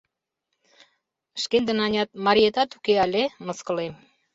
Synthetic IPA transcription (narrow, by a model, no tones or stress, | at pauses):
əʃkend̪ə̆nɑnʲɑt̪̚mɑɾʲiet̪ɑt̪ukeɑlʲemɤ̆skɤ̆lem